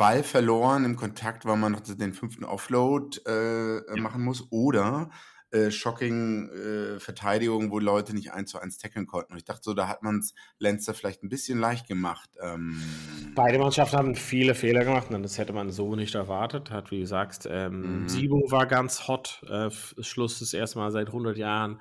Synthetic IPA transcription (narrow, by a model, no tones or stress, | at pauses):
b̥alfɛɐloːʁənɪmkʰɔntʰak̚tv̥amanːɔχd̥asdeːnfʏnftn̩ʔɔ̰floːtʔɛːmaχn̩mʊsʔoːɾɐ | ʔɛːʃɔkɪŋɛːfɛɐtʰaɪɾɪɡʊŋəvoːilɔʏtənɪçtʔa̰ɪnst͡suʔa̰ɪnstʰɛkl̩nkʰɔnʔn̩ʊntɪçd̥aχtəzoːdaːɦatmanslɛnstɐfɪlaɪçt̚n̩bɪsçənlaɪçt̚ɡ̥əmaχtʔɛːmb̥aɪɾəmanʃaftn̩haːbn̩fiːləfeːlɐɡəmaχtnadashɛtəmanzoːnɪçtɛɐvaɐtəthatv̥iːduːzaːkstʔɛːmziːbovaːɐɡant͡shɔtʔɛːf | sʃlʊsd̥ɪsʔḛːstəmaːlzaɪthʊndɐtjaːʁən